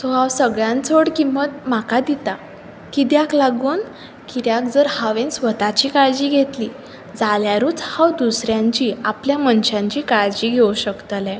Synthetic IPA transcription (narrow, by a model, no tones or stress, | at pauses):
sɔawsəɡɭjãnt͡sʰoɽkimət̪m̤akad̪it̪a | kid̪jaklaɡuːn | kid̪jak̚d͡zəɾhaʋẽnsʋət̪at͡ɕiːkaɭd͡ʑiːɡʱet̪li | d͡zaljaɾuːt͡shawd̪usɾjãɲt͡ɕiapljamənɕãɲt͡ɕiːkaɭd͡ʑiɡʱewuɕəkt̪əlɛ̃